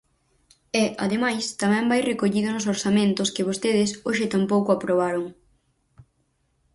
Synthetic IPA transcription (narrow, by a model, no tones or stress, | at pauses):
ɛʔaðemajst̪amɛ̃mbajrekoʎiðʊnʊsoɾsamẽnt̪ʊskɪβ̞ost̪eð̞ɪsoʃɪt̪ampowkʊapɾoβ̞aɾʊŋ